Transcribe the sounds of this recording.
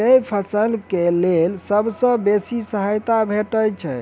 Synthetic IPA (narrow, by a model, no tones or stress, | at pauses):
əjpʰəsəlkelelsəbsə̃besisəɦajt̪abʱeʈəjt͡ʃʰɛ